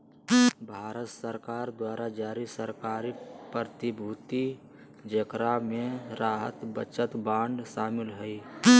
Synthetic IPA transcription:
bʱaːɾət̪səɾkaːɾd̪waːɾad͡ʒaːɾisəɾkaːɾipəɾt̪ɪbʱuːt̪i | d͡ʒəkɾamẽɾaːɦət̪bət͡ʃət̪bãːɳɖʃaːmɪlɦɛi

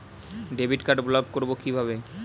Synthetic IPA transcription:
ɖebʱiʈkaʈblɔɡ̚koɾbokibʱaβe

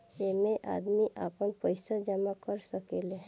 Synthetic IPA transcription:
emẽʔa̰ːd̪miʔa̰ːpənpəɪsad͡ʒəmakəɾsəkele

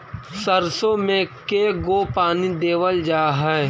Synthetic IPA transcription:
səɾsõmẽkeɡoːpaːnid̪eːwəld͡ʒaːɦɛː

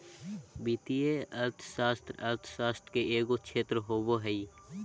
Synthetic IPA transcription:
biːt̪ieɐɾt̪ʰsaːst̪ɾɐɾt̪ʰsaːst̪ɾkeʔeːɡokt͡ʃʰeːt̪ɾəɦoːboɦɛi

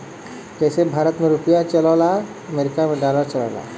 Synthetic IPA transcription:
kəsebʱaːɾət̪meɾʊpijat͡ʃəlala | əmeɾɪkamẽɖalaɾt͡ʃəlaːla̰

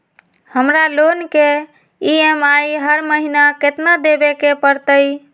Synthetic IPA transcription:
həmɾalonke | iemaiɦəɾməɦinaket̪nad̪ebekepəɾt̪əj

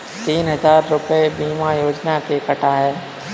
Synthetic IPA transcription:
t̪iːnɦɐzaːɾːʊpəebiːmajoːd͡ʒnakekəʈʰaɦɛː

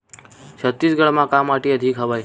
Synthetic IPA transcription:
t͡ʃʰət̪ːisɡəɭmãkamːaʈiəd̪ʱikɦəʋaj

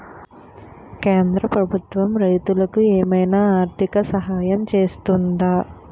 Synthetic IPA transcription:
keːnd̪ɾɐpɾɐbʱut̪ʋɐmɾɐjt̪ulɐkueːmɐjnaːaːɾt̪ʰikɐsɐɦaːjɐmt͡ʃe̞ːst̪und̪aː

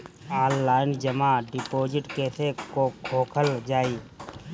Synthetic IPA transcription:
aːnːaːɪnd͡ʒəmaɖɪpoːd͡ʒɪʈkeːsʰekokʰoːkʰəld͡ʒaːiː

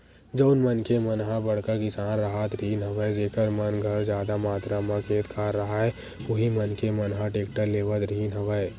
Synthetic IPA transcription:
d͡ʒoːnmənkemənɦãbɐɽkakɪsaːnɾəɦat̪ɾiːnɦɐʋəed͡ʒeːkəɾmɐnɡʱəɾd͡ʒjaːd̪amaːt̪ɾamɐkʰeːt̪kʰaːɾːɐɦaɦɛ | ʊɦimənkemɐnɦãʈeːk̚ʈəɾleːʋət̪ɾiːnɦɐʋəe

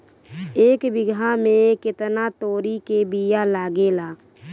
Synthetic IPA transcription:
eːkbɪɡʱamẽkɪt̪nat̪oːɾikebijalaːɡelaː

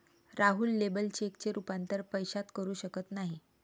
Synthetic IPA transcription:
ɾaɦuːlːebəlt͡ɕekt͡ɕeɾupant̪əɾpəjɕat̪kəɾuːɕəkət̪naɦi

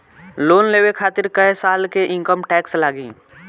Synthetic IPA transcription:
loːnleːwekʰaːt̪ɪɾkəjsaːlkeʔɪ̃ŋkəmʈɛːkslaːɡĩː

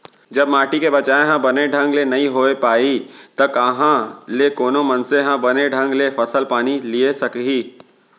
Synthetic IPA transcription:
d͡ʒɐbmaːʈikebɐt͡ʃaːeɦãbɐneɖʱɐ̃ŋɡlenɐɦĩɦoːepaːit̪ɐkəɦãlekoːnomɐnseɦãbɐneɖʱɐ̃ŋɡlefʰɐsəlpaːniliesɐkɦiː

